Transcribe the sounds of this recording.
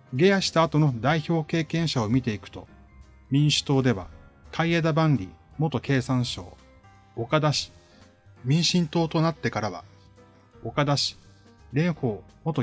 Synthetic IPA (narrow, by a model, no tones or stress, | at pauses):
ɡe̞jaɕi̥t̪aːt̪o̞no̞d̪aiço̞ːke̞ːkẽ̞ɰ̃ɕao̞mʲit̪e̞ikɯ̟̥t̪o̞̰ | mʲĩɰ̃ɕɨ̥t̪o̞ːd̪e̞βa̰kʰaied̪abãnɾʲḭmo̞t̪o̞ke̞ːsãɰ̃ɕo̞̰ː | okad̪aɕi̥ | mʲĩɰ̃ɕĩnt̪o̞ːt̪o̞nat̪ːe̞kaɾaβa̰ | o̞kad̪aɕi̥ | ɾẽ̞ɰ̃ɸo̞ːmo̞t̪o